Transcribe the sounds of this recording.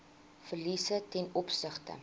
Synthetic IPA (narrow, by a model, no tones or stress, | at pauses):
fərlisətɛnɔpsəχtə̰